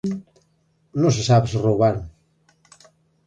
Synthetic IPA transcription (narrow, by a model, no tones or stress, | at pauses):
nõs̬esaβesrowβan